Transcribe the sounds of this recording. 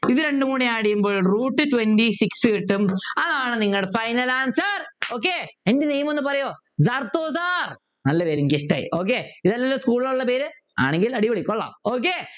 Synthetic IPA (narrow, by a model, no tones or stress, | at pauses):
iðɨɾe̞ɳɖɨmuːɽijaːɽijumboːɭruːʈːɨtwendisiksɨiʈːumɐðaːɳɨniŋːɐɭɽefɐjnɐlaːnsɐroːk̬ːeendenejmenːɨpɐrɐjoː | zɐrt̪oːzaːr | nɐlːɐpe̞ːɾumkiʂʈɐ̰j̰o̞ːk̬ːeːiðɐlːɐlːoːskuːɭilɐuɭːɐpe̞ːɾɨ | a̰ːɳeŋɡilɐɽiʋoɽikʲːoɭːa̰oːk̬ːe